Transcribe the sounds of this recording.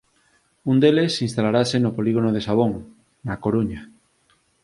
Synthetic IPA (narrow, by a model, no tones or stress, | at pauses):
und̪elesĩnst̪alaɾasenopoliɣonoð̞esaβ̞oŋ | nakoɾuɲa